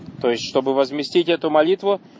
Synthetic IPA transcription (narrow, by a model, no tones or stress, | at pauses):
t̪o̞jɪsʲtʲʂt̪o̞bɨvəzmʲɪsʲtʲitʲɛt̪ʊmɐlʲit̪vʊ